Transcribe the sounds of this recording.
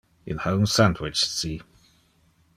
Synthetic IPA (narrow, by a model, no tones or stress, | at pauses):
ɪ̃nhõʊ̃msãndwɪt͡ʃsi